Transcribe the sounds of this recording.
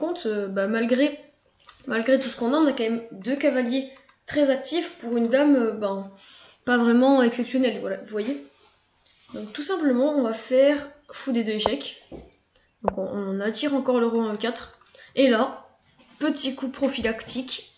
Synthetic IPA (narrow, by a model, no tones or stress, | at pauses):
kɔ̃t̪øbamalɡʁe | malɡʁet̪usə̥kɔ̃naɔ̃nakɑ̃mɛmd̪økavaljet̪χɛzak̚t̪ifpuʁynd̪amøbɛ̃pavʁɛmɑ̃ɛksɛpsjɔnɛlvwalavuvwaje | d̪ɔ̃k̚t̪usɛ̃pləmɑ̃ɔ̃vafɛʁfud̪ed̪øeʃɛk | d̪ɔ̃kɔ̃ːnat̪iʁɑ̃kɔʁləʁɔɔ̃əkʲat̪χela | pət̪ikupχɔfilakt̪ʰikʲ